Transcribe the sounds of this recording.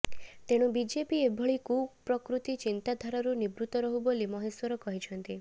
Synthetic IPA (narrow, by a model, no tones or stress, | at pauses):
t̪eɽ̃ubid͡ʒepiebʱɔɭikupɾɔkɾut̪it͡ʃint̪ad̪ʱaɾaɾunibɾut̪ɔɾɔɦubolimɔɦeswɔɾɔkɔɦit͡ʃʰɔnt̪i